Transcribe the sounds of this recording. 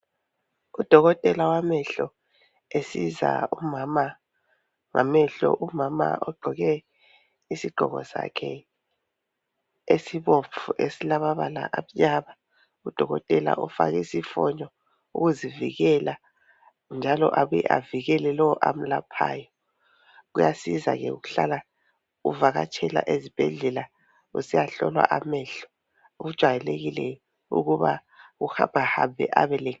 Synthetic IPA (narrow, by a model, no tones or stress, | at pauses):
ud̥ʱɔɣɔtʼɛlawamɛɬɔ | esiza̰umama | ŋa̰mɛɬɔ̰ʔumama̰ʔɔɡ͡ǃʱɔɣɛ | isiɡ͡ǃʱɔɣɔ̰sa̰kʰɛ | esiβop̪fʰuʔesilaβaβala̰ʔaβjaβa | ud̥ʱɔɣɔ̰tʼɛla̰ʔɔfa̰ɣɛsifɔɲɔ | ṵɣuziviɣɛla | nd͡ʒʱalɔʔaβuɛʔaviɣɛlɛlɔwɔʔam̩lapʰa̰ːjɔ | ɣujasiza̰ɣɛṵɣuɬala | ṵvaɣa̰t͡ʃʰʼɛla̰ʔezib̥ʱɛɮɛla | usijaɬɔlwa̰ʔamɛɬɔ̥ | uɣud̥ʒ̥ʱwajɛleɣilɛ | ṵɣuβa̰ | uhaahambʱɛ̰ʔa̰βɛlɛ